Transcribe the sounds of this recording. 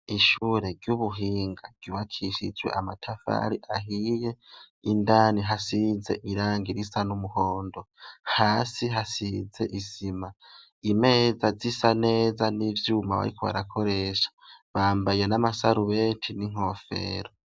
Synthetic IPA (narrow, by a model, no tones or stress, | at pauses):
iʃuːɾe̞ɾɟjuβuɦiːŋɡaɡ̥juβakʰiʃḭd͡ʒwe̞̰ʔamatʰafa̰ɾiʔaɦije̞ | indaːniɦasize̞̰ʔiɾaːŋɡiɾisanumuhoːndo̞haːsiɦasize̞̰ʔizima | ime̞ːzazisane̞ːzanivjuːmaβa̰ɾiko̞βa̰ɾakʰo̞ɾe̞ʃḁβaːmbajenamasaɾuβeːtʰiniŋ̥o̞fe̞̰ɾo